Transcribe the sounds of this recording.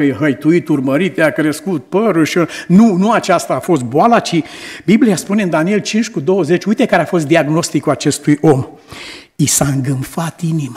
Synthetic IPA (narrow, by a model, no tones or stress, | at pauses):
əjeɦəjt̪uit̪urməɾit̪jakɾeskut̪̚pəɾuʃionunuat͡ʃast̪aːfo̞st̪̚boalat͡ʃibibliaspuneɨnd̪anie̞lt͡ʃint͡ʃʲkud̪o̞wəze̞t͡ʃʲujt̪e̞kaɾeafo̞s̬t̪d̪iaɡno̞st̪ikuat͡ʃe̞st̪ujʔo̞m | isaɨŋɡɨmfat̪inima